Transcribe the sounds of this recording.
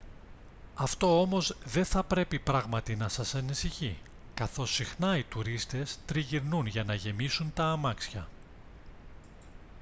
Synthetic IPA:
ɐft̪o̞o̞mo̞zðe̞nθɐpɾe̞pipɾɐɣmɐt̪inɐsɐsɐnisiçi | kɐθo̞sixnɐit̪uɾist̪e̞st̪ɾiʝiɾnunʝɐnɐʝe̞misunt̪ɐːmɐksçɐ̰

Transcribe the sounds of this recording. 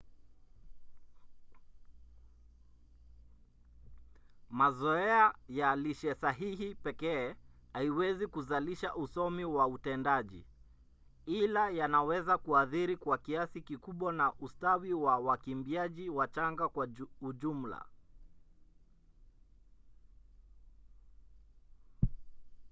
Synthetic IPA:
mazɔɛajaliʃɛsaɦihipɛkɛːhaiwɛzikuzaliʃaʔusɔmiwautɛndaʄḭ | ilajanawɛzakuaθiɾikwakiasikikuɓwanaʔustawiwawakimbiaʄiwat͡ʃaŋɡakwauʄum̩la̰

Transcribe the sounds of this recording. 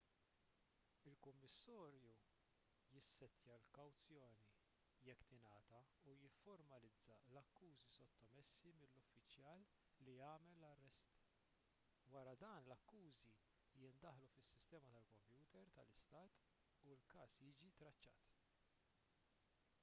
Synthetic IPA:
ɪlkʊmːɪsːɔːɾju | jɪsːɛt̪jɐlkɐwt͡sjɔːni | jɛkːt̪ɪnɐːt̪ɐ | ujɪfːɔɾmɐlɪd͡zːɐlɐkːuːzisɔt̪ːɔmɛsːimɪlːʊfːɪt͡ʃjɐːlː | ijɐːmɛlːɐrːɛst̪ | wɐɾɐd̪ɐːnlɐkːuːzi | jɪnd̪ɐħlufɪsːɪst̪ɛːmɐt̪ɐlkɔmpjuːt̪ɛɾt̪ɐlɪst̪ɐːt̪ | ulkɐːsjiːd͡ʒit̪ɾɐt͡ʃːɐ̰ːt̪

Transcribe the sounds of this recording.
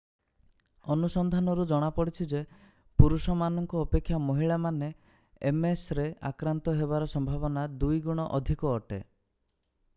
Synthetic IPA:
ɔnusɔnd̪ʱanɔɾud͡ʒɔɽ̃apɔɽit͡ʃʰid͡ʒe | puɾusɔmanɔŋkɔːpekʰːjamɔɦiɭamane | emesɾea̰kɾant̪ɔɦeβaɾɔsɔmbʱaβɔnad̪ujɡuɽ̃ɔʔɔd̪ʱikɔːʈe

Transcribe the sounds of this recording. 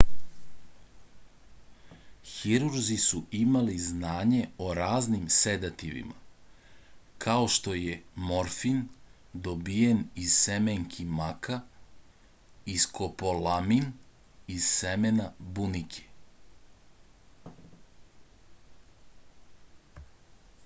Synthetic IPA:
xiɾuɾzisuʔimaliznaːɲe̞o̞ɾaːznimsed̪at̪iʋḭma̰ | kʰao̞ʃt̪o̞je̞mo̞ɾfin | d̪o̞bijenizsemeŋkʰimaka | iskʰo̞polamin | iz̥semenabunikʰe̥

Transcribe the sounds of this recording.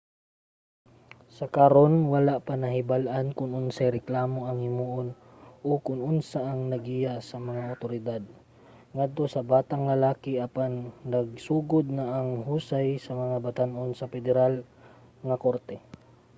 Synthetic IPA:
sɐkaɾonwɐlaʔpɐnɐhɪbalʔankʊŋʔʊnsajɾɛklaːmo̞ʔɐŋhɪmuːʔon | ʔokʊŋʔʊnsaʔɐŋnɐɡijaʔsɐmɐŋaʔʊt̪oɾɪd̪ad̪̚ | ŋad̪̚t̪o̞sɐbaːt̪ɐŋlɐlaːkɪʔɐpanːɐɡ̚suːɡod̪̚nɐʔːŋɦuːsajsɐmɐŋabat̪anʔonsɐpɛd̪ɛɾal | ŋɐkoɾt̪ɛ

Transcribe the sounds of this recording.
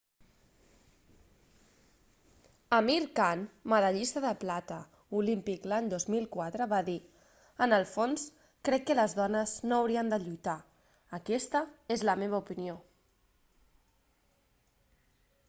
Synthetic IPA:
əmiɾkanməðəʎist̪əðəplat̪ə | ulimpiklaɲd̪ozmilˠkwat̪ɾəβaði | ənəlˠfons | kɾɛkːələzðɔnəznoəwɾiənd̪əʎujt̪a | əkɛst̪əezləmeβ̞əupinio

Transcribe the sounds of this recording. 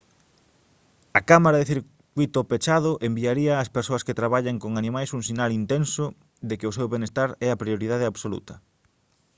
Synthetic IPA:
ɐkamaɾaðeθiɾ | kwit̪ʊpet͡ʃaðʊʔembiaɾiɐːspeɾsoɐsket̪ɾaβaʎaŋkoŋanĩmajsuŋsinalint̪ensʊ | ðekɪʊs̬ewβenest̪aɾɛɐpɾioɾiðað̞eaβsolṵt̪ɐ̥

